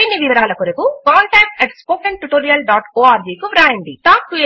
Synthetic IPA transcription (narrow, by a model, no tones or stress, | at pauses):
inːiʋiʋɐɾaːlɐkoɾukukaːɳʈɛːk̚ʈɛʈspoːkeɳʈuʈoːɾijɐlɖaːʈoːaːɾd͡ʒiːkuʋɾaːjɐɳɖḭʈaːp̚kue